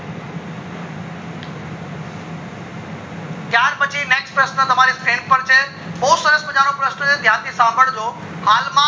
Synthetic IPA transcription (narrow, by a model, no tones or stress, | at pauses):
kjaːɾbɐt͡ɕineːkspɾəsnət̪ɐmãːɾestʰeːnpɐɾt͡ɕe | ɓoːsəɾəspɐ̃ɲaːɾõpɾəsʈod͡ʑed̪ʱjaːt̪isãːməɽ̃d͡ʑoː | haːlmã